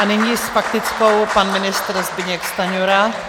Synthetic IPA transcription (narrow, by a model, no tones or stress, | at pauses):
ʔanɪɲisfak̚t̪ɪt͡sko̞wpanmɪnɪst̪ɾzbɪɲɛkst̪aɲoɾa